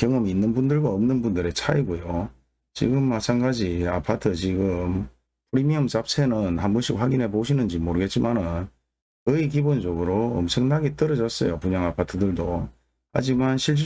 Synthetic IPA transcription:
kjʌŋʌminːɯnbundɯɭɡwaʌmnɯnbundɯɾet͡ɕʰaiɡojo | t͡ɕḭɡɯmːat͡ɕʰanɡad͡ʑiapʰatʰɯt͡ɕiɡɯm | pʰuɾimiʌmt͡ɕap̚sʰenɯnhambuɕʰik̚ɸwaɡinɦe̞poɕʰinɯnd͡ʑimoɾɯɡe̞t̚t͡ɕ͈imanɯn | ɯikibond͡ʑoɡɯɾoʌ̰mt͡ɕʰɯŋnaɡit͈ʌɾʌd͡ʑʌs͈ʌjopuɲaŋapʰatʰɯdɯɭdo | ha̰d͡ʑimanɕʰiɭt͡ɕʰ

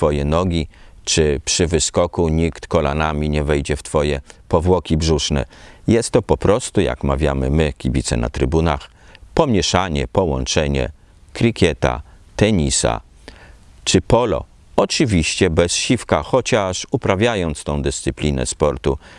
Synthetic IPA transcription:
t̪fɔjɛnɔɡʲit͡ʂɘpʂɘvɘskɔkuɲikt̪kɔla̰namʲiɲɛvɛjd͡ʑɛft̪fɔjɛpɔvwɔkʲibʐuʂnɛ̰jɛst̪ːɔpɔpɾɔst̪uja̰kmavʲjamɘmɘkʲibʲit̪sɛ̰na̰t̪ɾɘbunax | pɔmʲjɛʂaɲɛpɔwɔ̰nt͡ʂɛɲɛ̰ | kɾʲikʲjɛt̪a̰ | t̪ɛɲisa̰ | t͡ʂɘpɔlɔ̰ | ɔt͡ʂɘvʲiɕt͡ɕɛbɛsɕifkaxɔt͡ɕaʂupɾavʲjajɔnt̪st̪ɔ̃w̃d̪ɘst̪sɘplʲinɛ̰spɔɾt̪u

